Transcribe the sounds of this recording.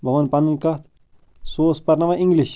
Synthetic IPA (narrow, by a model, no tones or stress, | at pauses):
bʱɐʋɐnpɐninkɐt̪ | soːspɐɾnɐʋɐʔĩŋɡliʃ